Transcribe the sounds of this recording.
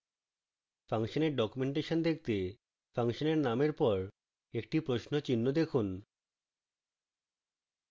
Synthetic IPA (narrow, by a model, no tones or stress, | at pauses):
faŋʃoneɾɖɔkumeɳʈeʃond̪ek̚ʰt̪e | faŋʃoneɾnameɾpɔɾ | ek̚ʈipɾoʃnot͡ɕinːod̪ekʰun